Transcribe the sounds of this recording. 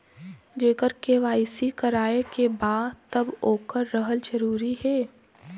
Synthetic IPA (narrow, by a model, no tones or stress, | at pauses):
d͡ʒeːkəɾkeʋaːɪsikɐɾaːekebaːdt̪ɐboːkəɾːəɦəld͡ʒəɾuːɾiɦɛː